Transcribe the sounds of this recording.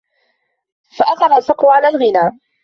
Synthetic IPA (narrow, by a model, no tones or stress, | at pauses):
faʔaθɑɾˤɑlfɑqːʊʕalaːlɣɪnaː